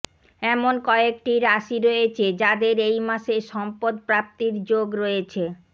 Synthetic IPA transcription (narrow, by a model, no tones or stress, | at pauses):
ɛmonkɔeek̚ʈiɾaʃiɾoet͡ɕʰed͡ʑad̪eɾejmaʃeʃɔmpod̪pɾap̚t̪iɾd͡ʑoɡɾoet͡ɕʰe